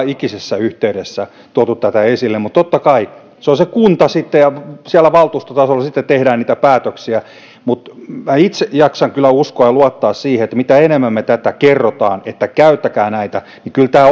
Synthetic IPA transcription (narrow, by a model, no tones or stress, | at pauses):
ikisesːæyht̪eyɾesːæ | t̪uot̪ut̪t̪æt̪æesilːemut̪t̪ot̪ːɑkɑi | seonsekunt̪ɑsit̪ːejɑsiælːˑæʋɑlt̪uːst̪ot̪ɑsolːɑsit̪ːet̪t̪ehdæːnniːt̪æpæːt̪øksiæ | mut̪mæit̪sejɑksɑŋkylːˑæuskoɑjɑluɑt̪ːɑːssiːheet̪ːæmit̪æenemːæmːet̪æt̪ækerːot̪ɑːnet̪ːækæyt̪ːækæːnæit̪æ | nikylt̪æː